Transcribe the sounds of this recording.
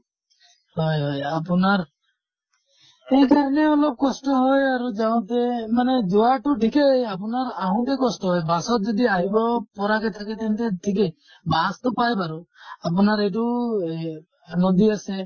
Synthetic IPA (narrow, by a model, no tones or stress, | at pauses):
hɔjɦɔjapɔnaɾ | ekaɾɔneɔlɔb̚kɔsʈɔɦɔjaɾud͡ʒaw̃t̪emaned͡ʒɔwaʈuʈʰikejapɔnaɾaɦɔ̃t̪ekɔsʈɔɦɔjbasɔt̪̚d͡ʒɔd̪iaɦibɔpɔɾakɛt̪ʰaket̪eñt̪eʈʰik̬e | bast̪ɔpajpaɾuap̬ɔnaɾeʈu | anɔd̪iase